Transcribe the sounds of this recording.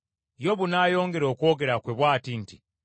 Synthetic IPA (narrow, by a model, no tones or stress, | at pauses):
jo̞βunaːjo̞ːŋɡe̞ɾo̞ːko̞ɡe̞ɾakweβwaːtinti